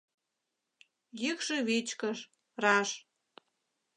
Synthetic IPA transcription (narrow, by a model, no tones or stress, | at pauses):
jəkʃĕβet͡ɕkəʃ | rɑʃ